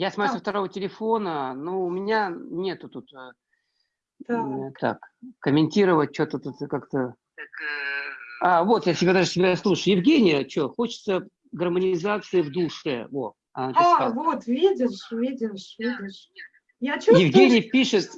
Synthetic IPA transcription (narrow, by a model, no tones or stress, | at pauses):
jasmɐjusəft̪ɐɾo̞vətʲɪlʲɪfo̞nənuʊmʲɪnʲanʲe̞t̪ʊt̪ut̪ə | t̪at̪a̰kkəmʲɪnʲtʲiɾəvət̚ʲt͡ɕot̪ət̪ut̪kakt̪ə | avo̞t̪jatʲɪbʲad̪aʐɨsʲɪbʲaslˠuʂɨjʊjɪvɡʲenʲɪjət͡ɕoxo̞t͡ɕɪ̥t̪sə | ɡərmənʲɪzat̪sɨɪvd̪uʂɨ̰vo̰ | ɐnatavot̪vʲidʲɪʂvʲidʲɪʂvʲidʲɪʂ | jat͡ɕjɪvɡʲenʲɪjəpʲiʂɨt̪